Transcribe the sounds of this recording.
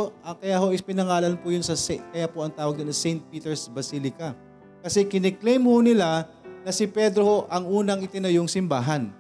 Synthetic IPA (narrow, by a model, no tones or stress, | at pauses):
ʔɐkɐjaho̞ʔɪspɪnɐŋaːlɐnpʊjʊnsɐsɛkɐjapoʔɐŋt̪aːwɐɡd̪onɐsɛjnt̪̚piːt̪ɛɹsbɐsilɪkɐ | kɐsɛkɪnɛklejmhonɪla | nɐsɪpɛd̪ɾoho̞ʔɐŋʔuːnɐŋɪt̪ɪnɐjoŋsɪmbaːɦɐn